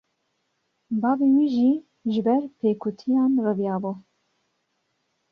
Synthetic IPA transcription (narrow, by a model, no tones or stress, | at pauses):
bɑːbiwiːʒiː | ʒɨbɛɾpʰeːkʰut̪ʰijɑːnrɨvijɑːbu